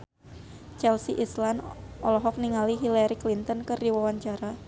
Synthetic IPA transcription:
t͡ʃɛlsiʔislanɔlɔɦɔk̚niŋaliɦilaɾiklint̪ɔnkɨrdiwawaɲt͡ʃaɾa

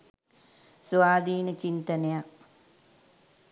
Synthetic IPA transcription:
sʋaːd̪iːnət͡ʃint̪ɐnejak

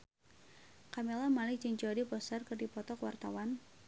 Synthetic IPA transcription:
kamelamalɪhd͡ʒɨŋd͡ʒɔdipɔsarkɨrdipɔt̪ɔkwart̪awan

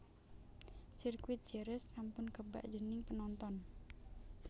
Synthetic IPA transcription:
sirkwɪt̪̚d͡ʒ̥əɾɛsːampʊnkəba̰ʔd͡ʒənɪŋpənɔnt̪ɔn

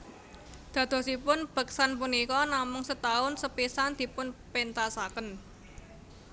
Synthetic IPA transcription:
d̪̥ä̤d̪̥ɔ̤sipʊnb̥ə̤ksanpunikɔnamʊŋsət̪aʊnsəpisand̪̥i̤pʊnpent̪asakən

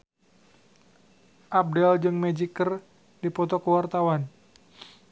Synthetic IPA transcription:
ʔab̚dɛld͡ʒɨŋmɛd͡ʒikər | dipɔt̪ɔkəwart̪awan

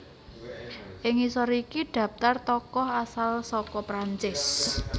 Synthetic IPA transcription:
ʔɪŋisɔɾikiɖ̪̥ä̤p̚t̪art̪ɔkɔhasalsɔkɔpɾaɲt͡ʃɪs

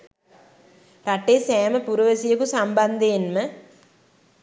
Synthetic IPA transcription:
raʈeːsæːməpuɾuʋəsijəkusamband̪eenmə

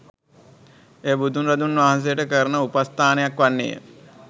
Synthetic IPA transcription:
eːbud̪ʱunɾad̪unʋaːɦans̬ejəʈəkəɾənəupast̪aːnejakʋanːḛjə̰

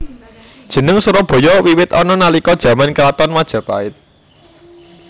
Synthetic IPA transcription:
d̥ʒ̥ə̤nəŋsuɾɔb̥ɔ̤jɔwiwɪt̪ɔnɔnalikɔd̥ʒ̥ä̤mankəlat̪ɔnmad̥ʒ̥a̤pa̰ɪt̪̚

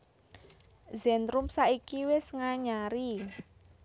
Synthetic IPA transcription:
zɛnd̪ɾumsaʔikiwɪsŋaɲaɾi

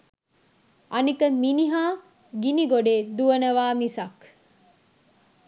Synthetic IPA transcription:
ʔɐnikɐminiɦaː | ɡiniɡoɖeːd̪uɐnɐʋaːmisɐk

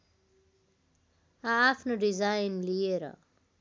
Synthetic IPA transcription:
aːpʰnoɖid͡zajnlijeɾʌ̰

